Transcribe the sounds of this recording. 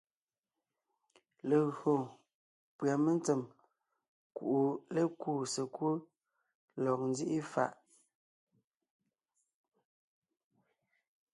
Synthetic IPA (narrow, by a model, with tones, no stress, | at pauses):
le˨ɣɰo˨ | pwa˨me˦n˦t͡se˨m | kṵ˨ʔu˨le˦kuː˦˨se˨kwu˦ | lɔ˨k̚n˦di˦ʔi˦fa̰˨ʔ